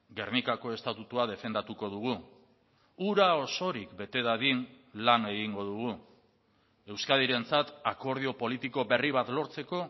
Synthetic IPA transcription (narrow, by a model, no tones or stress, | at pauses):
ɡe̞ɾnikako̞e̞st̪at̪ut̪uað̞e̞fe̞nd̪at̪uko̞ð̞uɣ̞u | uɾao̞so̞ɾikbe̞t̪e̞ðaðin | lane̞ɣiŋɡo̞ðuɣu | e̞wskað̞iɾe̞nt͡sat̪ako̞ɾð̞io̞po̞lit̪iko̞βe̞riβ̞at̪lo̞ɾt͡se̞ko̞